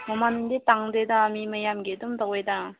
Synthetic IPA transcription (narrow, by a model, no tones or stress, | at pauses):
mamandetaŋdedaːmimɐjamɡedumdawejda